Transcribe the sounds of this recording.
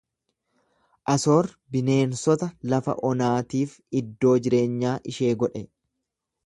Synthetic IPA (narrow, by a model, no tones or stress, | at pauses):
ʔɐso̞ːɾ | bɪne̞ːnsɔt̪ɐlɐfɐ̰ʔɔnaːt̪iːf | ɪd̪ːo̞ːd͡ʒɪɾe̞ːɲːaːʔɪʃe̞ːɡɔᶑɛ